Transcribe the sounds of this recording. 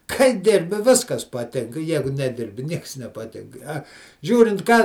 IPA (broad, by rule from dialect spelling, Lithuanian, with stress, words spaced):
kɐɪ ˈdʲɪrʲbʲɪ ˈʋʲɪskɐs pɐˈtʲɪŋkɐ ˈjæːɡʊ nʲɛˈdʲɪrʲbʲɪ ˈnʲiɛks nʲɛpɐˈtʲɪŋk ɐ ˈʒʲuːrʲɪnt kɑː